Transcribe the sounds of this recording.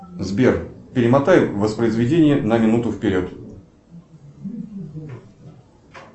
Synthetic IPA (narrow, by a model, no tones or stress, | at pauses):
zbʲerpʲɪɾʲɪmɐt̪ajɪvəspɾəɪzvʲɪdʲenʲɪjənəmʲɪnut̪ʊfpʲɪɾʲot̪